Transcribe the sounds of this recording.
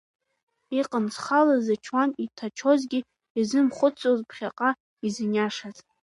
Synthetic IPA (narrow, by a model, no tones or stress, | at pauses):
iqʼənt͡sʰχalazat͡ʃʰwanitʰat͡ʃʰo̞zɡʲi | izɨmχʷʊt͡sʰʼozpʰχʲaqʼa | izɨnʲaʂazʼ